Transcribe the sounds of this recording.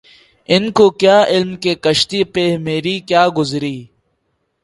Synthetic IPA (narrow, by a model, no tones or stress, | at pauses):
ɪnkoːkjaːʔɪlmkeːkəʃt̪iːpemeːɾiːkjaːɡʊzɾiː